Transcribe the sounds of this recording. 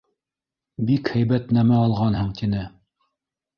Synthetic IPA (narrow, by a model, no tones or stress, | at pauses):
bikhæjbæt̪næmæɑlˠʁɑnhɤɴt̪inɘ